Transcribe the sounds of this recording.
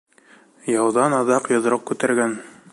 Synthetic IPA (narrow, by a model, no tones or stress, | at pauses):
jɑwðɑnɑðɑqjŏðɾɤq̚kʉt̪æɾɡæn